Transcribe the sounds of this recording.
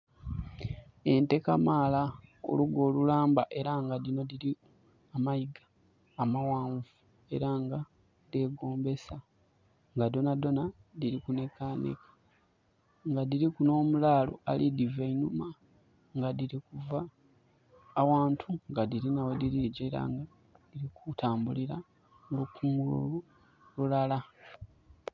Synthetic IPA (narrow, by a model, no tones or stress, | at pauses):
e̞nte̞kamaːlao̰luɡo̞ːlulaːmbaʔe̞ɾaŋɡadino̞diɾi | amajiɡḁː | mawaːɱvu | e̞̰ɾaŋɡa | de̞ːɡo̞ːmbe̞sa | ŋɡado̞nado̞nadiɾikune̞kanḛkḁ | ŋɡadiɾikuno̞ːmulalo̞̰alʔidiveinuma | ŋɡadiɾikuva | waːntʰuŋɡadiɾinawediɾiɟe̞ɾa̰ŋɡa | diɾikutʰaːmbuliɾa | ŋɡokʰuŋɡulṵu | lulala